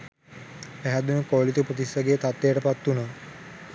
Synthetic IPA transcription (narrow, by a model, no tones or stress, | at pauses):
pæɦæd̪unəkoːlit̪upot̪isaɡejt̪at̪ːejəʈəpat̪ːunaː